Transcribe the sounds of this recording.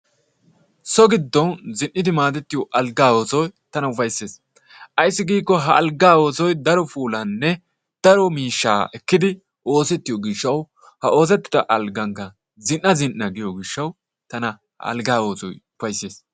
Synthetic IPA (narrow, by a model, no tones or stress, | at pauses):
sɔɡɪd̪ːɔnzɪnːɪd̪ɪmaːt̪ɛt̪ːɪjɔʔɐlɡaːwoːsɔjt̪ɐnɐʊfɐjse̞ːs | ʔɐjsːɪɡiːkːɔɦɐʔɐlɡaːwoːsɔjd̪ɐɾɔfuːlɐnːɛ | d̪̥ɐɾɔmiːʃːaːʔɛkːɪd̪ɪ | ʔo̞ːsɛt̪ːɪjɔɡɪʃːɐw | hɐʔo̞ːs̬ɛt̪ːɪ̥d̪ɐʔɐlɡɐŋkːɐ | zɪnːɐzɪnʔːɐɡɪjɔɡɪʃːɐw | t̪ɐnɐ | ɐ̰lɡaːo̞ːsɔ̰jʊfɐjsːeːs